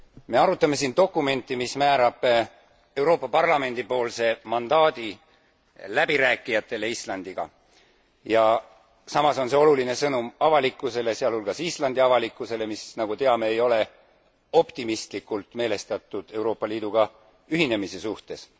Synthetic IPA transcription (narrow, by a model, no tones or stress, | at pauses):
me̞ɑɾut̪ːˑɑme̞sint̪o̞kːˑume̞nt̪ːˑimismæːɾɑb̥ | e̞wɾo̞ːpːˑɑpɑrlɑme̞nd̪̥ipo̞ːlse̞mɑnd̪̥ɑːd̪̥i | læb̥iɾæːkːˑijɑt̪ːˑe̞le̞islɑnd̪̥iɡ̥ɑ̰ | jɑ | sɑmɑso̞nse̞oluline̞sɤnumɑvɑlikːˑuse̞le̞seɑlhulɡ̥ɑsislɑnd̪̥iɑvɑlikːˑuse̞le̞misnɑɡ̥ut̪e̞ɑme̞ːjo̞le̞ | o̞pt̪imist̪likːˑult̪ˑme̞ːle̞st̪ɑt̪ːˑud̪̥e̞wɾo̞ːpˑːɑliːd̪uɡ̥ɑ | yɦine̞mise̞suht̪e̞s